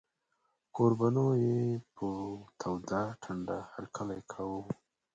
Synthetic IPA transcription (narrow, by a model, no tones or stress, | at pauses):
koɾbanojepʰət̪ʰawd̪aʈʰaɳɖahaɾkʰalajkʰawu